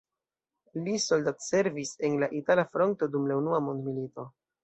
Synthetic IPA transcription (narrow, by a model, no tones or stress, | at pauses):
liso̞ldatse̞ɾvise̞nlaʔitalafɾo̞nto̞dumlaunuamo̞ndmilito̞